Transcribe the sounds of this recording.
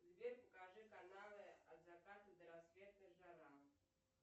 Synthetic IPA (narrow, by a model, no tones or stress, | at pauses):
zvʲerpɐkaʐɛkanalˠɨɐd̪vakat̪ɨd̪ɐɾasvʲɛt̪̚nɨʒaɾam